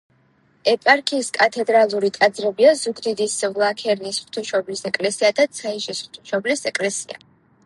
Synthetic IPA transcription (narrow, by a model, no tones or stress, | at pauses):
ɛpʼaɾkʰiːskʼat̪ʰɛd̪ɾalˠuɾit̪ʼad̪zɾɛbiazuɡd̪id̪isʁlˠakʰɛɾnisχt̪ʰuʃɔblisɛkʼlɛsiad̪at̪sʰaiʃisχt̪ʰuʃɔblisɛkʼlɛsia̰